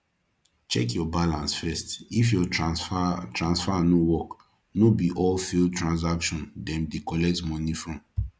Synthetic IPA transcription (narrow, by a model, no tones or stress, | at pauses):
t͡ʃɛ̰kjɔbalãnsfɛstifjɔ | tɹãnsfanowɔk | nobiʔɔlfiltɹãns̬akʃɔ̃ndɛ̃ndekɔlɛk̚tmɔ̃nifɹɔ̃m